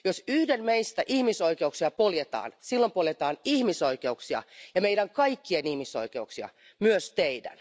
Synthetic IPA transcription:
josyhdenmeist̪æʔihmisoikeuksiɑpoljet̪ɑ̰ːnsilːompoljet̪ɑːnihmisoikeuksiɑ̰jɑmeidæŋkɑikːiɑnihmiso̰ikeuksiɑ̰ | myøst̪eidæ̰n

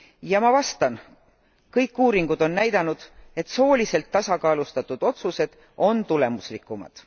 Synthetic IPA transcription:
jɑmɑvɑst̪ɑn | kɤjkːˑuːɾiŋɡ̥ud̪̥o̞nːæjd̪̥ɑnud̪̥e̞t̪so̞ːlʲise̞lt̪ːɑsɑkɑːlust̪ɑt̪ːˑud̪̥o̞t̪suse̞d̪̥ | o̞nt̪ule̞muslikːˑumɑ̰d̪̥

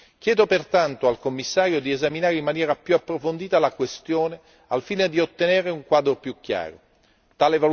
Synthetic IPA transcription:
k̟jɛːd̪opert̪ant̪oalkomːisːaːɾjod̪iezaminaːɾeimːanjɛːɾapjuapːɾofond̪iːt̪alakwest̪joːne | alfiːned̪iot̪ːenɛːɾeuŋkwaːd̪ɾopjukːja̰ːɾo | t̪aːleval

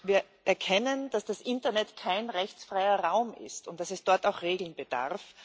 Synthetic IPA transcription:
viːɐ | ʔɛɐkʰɛnənd̥asd̥asʔɪntɐnɛtkʰaɪnʁɛçt͡sfʁaɪɐʁaʊmɪ̰stʊnt̚d̥asɛsd̥ɔɐtaʊxʁeːɡl̩nb̥əd̥a̰ʁf

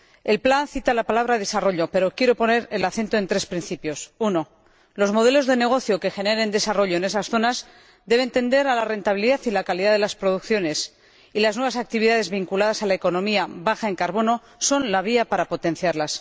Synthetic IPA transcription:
e̞lplanθit̪alapalaβɾaðe̞saro̞ʎo̞pe̞ɾo̞kje̞ɾo̞po̞ne̞ɾe̞laθe̞nt̪oe̞nt̪ɾe̞spɾin̟θipjo̞suno̞ | lo̞zmo̞ð̞e̞lo̞zðe̞ne̞ɣ̞o̞θjo̞ke̞xe̞ne̞ɾe̞nd̪e̞saro̞ʎo̞ene̞s̬asθo̞naz | d̪e̞β̞ent̪e̞nd̪e̞ɾalare̞nt̪aβ̞iliðaθilakaliðaðe̞laspɾo̞ðukθjo̞ne̞s | ilaznwe̞βasak̚t̪iβiðaðe̞zβiŋkulað̞asalaeko̞nõ̞miaβaxae̞ŋkaɾβo̞no̞ | so̞nlaβ̞iapaɾapo̞t̪ẽ̞n̟θjaɾlas

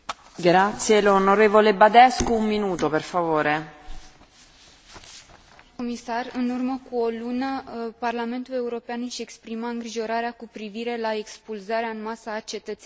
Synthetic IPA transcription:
ɡɾat̪sjelonoɾevolebad̪ɛskoumːinuːt̪operfavoːɾe | omisarɨnurməkuolunəparlame̞nt̪ule̞uɾo̞peanʃiekspɾimaɨŋɡɾiʒo̞ɾaɾeakupɾiviɾe̞laekspulzaɾeaɨnmasaːt͡ʃe̞t̪ət̪se

